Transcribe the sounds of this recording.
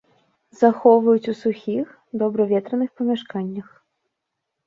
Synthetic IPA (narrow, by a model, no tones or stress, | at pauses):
zaxɔvɐjut͡sʲusuxʲix | d̪ɔbɾɐvʲɛt̪ɾɐnɨxpɐmʲaʂkanʲːɐx